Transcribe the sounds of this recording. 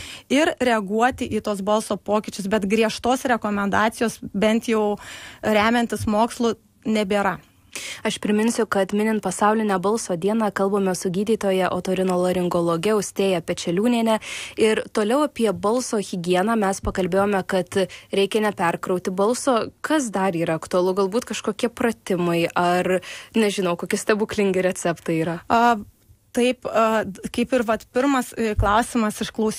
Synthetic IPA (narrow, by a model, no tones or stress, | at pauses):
ɪɾɾʲɛɐɡuɔt̪ʲɪʔiːt̪oːs̬bɐlˠsoːpoːkʲɪt͡ʃʲʊsbʲɛt̪ɡɾʲiɛʃt̪oːsɾʲɛkoːmʲɛnd̪ɑːt̪sʲɪjoːsbʲɛnt̪jɛʊɾʲæːmʲɛnʲt̪ʲɪsmoːkslˠʊ | nʲɛbʲeːɾɐ | ɐʃpʲɾʲɪmʲɪnʲsʲʊkɐt̪mʲɪnʲɪnt̪pɐsɑʊlʲɪnʲɛbɐlˠsoːd̪ʲiɛnɑːkɐlˠbɐmʲɛsʊɡʲiːd̪ʲiːt̪oːjɛʔo̰ːt̪oːɾʲɪnoːlˠɐɾʲɪŋɡoːlˠoːɡʲɛʊsʲt̪ʲeːjɛpʲɛt͡ʃʲɛlʲuːnʲiːnʲɛɪɾt̪oːlʲɛʊɐpʲiɛbɐlˠsoːɣʲɪɡʲiɛnɑːmʲɛspɐkɐlʲbʲeːjoːmʲɛkɐt̪ɾʲɛɪkʲɛnʲɛpʲɛrkɾɐʊt̪ʲɪbɐlˠsoːkɐs̬d̪ɐɾiːɾɐɐkt̪ʊɐlˠʊɡɐlˠbuːt̪kɐʃkoːkʲiɛprɐt̪ʲɪmɐɪʔɐrnʲɛʒʲɪnɐʊkoːkʲɪsʲt̪ʲɛbuklʲɪŋʲɡʲɪɾʲɛt͡s̪ʲɛpt̪ɐiːɾɐɐ | t̪ɐɪpɐkɐɪpɪɾʋɐt̪pʲɪɾmɐsklˠɐʊsʲɪmɐsɪʃklˠɐʊs